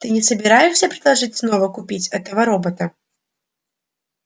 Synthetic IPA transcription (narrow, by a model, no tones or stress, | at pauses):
t̪ɨnʲɪsəbʲɪɾajɪʂsʲəpɾʲɪd̪lˠɐʐɨtʲsnovəkʊpʲit͡sʲɛt̪əvəɾobət̪ə